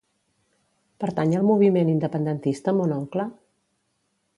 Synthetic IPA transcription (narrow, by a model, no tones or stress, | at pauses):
pəɾt̪aɲəlˠmuβ̞imenind̪əpənd̪ənt̪ist̪əmonɔŋklə